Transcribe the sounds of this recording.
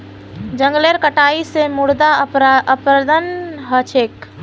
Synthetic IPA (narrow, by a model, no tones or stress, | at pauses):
d͡ʒə̃ŋɡleɾkəʈaisemuɽd̪aɾəpɾəd̪ənɦət͡ʃʰek